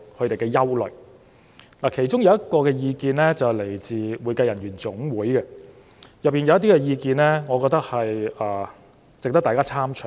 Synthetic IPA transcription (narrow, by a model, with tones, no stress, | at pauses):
kʰɵ˧ɥt̪e˨jkɛː˧jɐ˥wlɵ̰˨˩k | laː˨˩kʰe˨˩jt͡ʃʊ˥ŋjɐ˨˧wjɐ˥t̚kɔː˧kɛː˧jiː˧kiː˧nlɛː˥t͡sɐ˨wle˨˩jt͡siː˨wuː˨˧jkɐ˧jɐ˨˩njyː˨˩nt͡sʊ˨˥ŋwuː˨˥jkɛ˧ | jɐ˨p̚ːiː˨njɐ˨˧wɐ˥t̪̬iː˥kɛ˧jiː˧kiː˧nlɛ˥ŋɔː˨˧kɔ˧k̚t̪ɐ˥k̚hɐ˨jaː˨˩ | t͡sk̚t̪ɐ˥k̪̚aː˨kaː˥t͡sʰaː˥mt͡ʃʰɵ˨˩